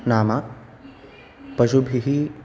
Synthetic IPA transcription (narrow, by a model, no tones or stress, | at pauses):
naːma | pɐʃubʱiɦi